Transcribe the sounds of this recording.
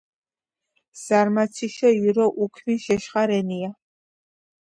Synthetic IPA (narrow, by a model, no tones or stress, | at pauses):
z̥aɾmatt͡sʰiʃɔiɾɔʔukʰmiʃɛʃχaɾɛnija